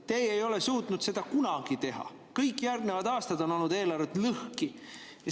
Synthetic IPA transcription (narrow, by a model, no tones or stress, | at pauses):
t̪e̞ːjejo̞le̞suːt̪nud̪̥se̞d̪ɑkunɑɡ̥it̪e̞ɦɑ̰ | kɤjkːˑjærɡnevɑd̪ɑːst̪ɑd̪o̞no̞lnud̪̥e̞ːlɑɾvet̪lɤhki